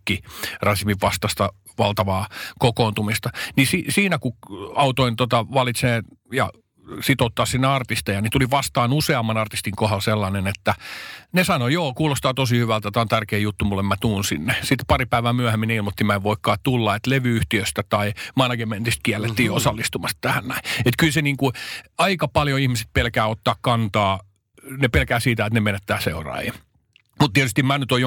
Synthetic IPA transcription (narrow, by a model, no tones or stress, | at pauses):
kːirɑsismiʋʋɑst̪ɑst̪ɑ | ʋɑlt̪ɑʋɑːkokoːnt̪umist̪ɑnisisiːnækuɑut̪oint̪ot̪ɑʋɑlit̪seːjɑ̰ | sit̪ot̪ːɑːssinːeɑrt̪ist̪ejɑnit̪uliʋɑst̪ɑːnuseɑmːɑnɑrt̪ist̪iŋkohɑlselːɑnenet̪ːænesɑnojoːkuːlost̪ɑːt̪osihyʋælt̪æt̪æont̪ærkeːjut̪ːumulːemmæt̪uːnsinːesit̪pɑripæiʋæːmyæhemːinilmot̪ːimæeʋʋoikːɑːt̪ulːɑet̪leʋyyht̪iøst̪æt̪ɑimɑnɑɡement̪ist̪̚kiælːet̪ːiːosɑlːist̪umɑst̪t̪æhænnæiet̪kylseniːŋkuɑikɑpɑljoihmise̥t̪̚pelkæːot̪ːɑːkkɑnt̪ɑː | nepelkæːsiːt̪æet̪nemenet̪ːæːseurɑ̰ːjḭ | mut̪t̪iɛt̪yst̪imænyt̪oj